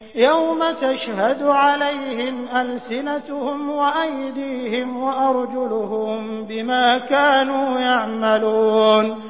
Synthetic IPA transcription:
jawmat̪aʃhad̪ʕalajhɪmʔalsɪnat̪hʊmwaʔajd̪iːhɪmwaʔɑɾˤd͡ʒʊlʊhʊmbɪmaːkaːnuːjaʕmaluːn

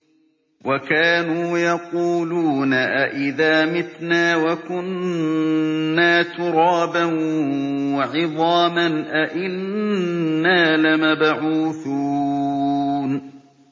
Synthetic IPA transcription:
wakaːnuːjɑquːluːnaʔaʔɪðaːmɪt̪naːwakʊn | aːt̪ʊɾˤɑːban | wɑʕɪðˤɑːmanʔaʔɪnː | aːlɪmabʕuːθuː | n

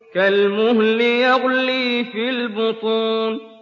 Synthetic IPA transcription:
kalmʊhlɪjaɣliːfilbʊt̪ˤuːn

